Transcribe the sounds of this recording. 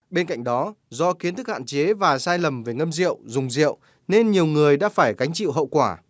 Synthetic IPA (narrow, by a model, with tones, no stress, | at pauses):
ɓe˧nka̰˧˨ŋ̟ɗɔ˨˦zɔ˧xi˨˦ənt̪ʰɨ˦˥k̚ha̰ː˧˨nt͡ɕe˨˦vaː˨˩saː˧jlə˨˩mve˨˩ŋə˧mzḭ˧˨əwzʊ˨˩ŋ͡mzḭ˧˨əw | ne˧nɲi˨˩əwŋɨ˨˩əjɗa̰ː˧˥faː˧˩jɣa˨˦jŋ̟t͡ɕḭ˧˨wɦə̰˧˨wkwaː˧˩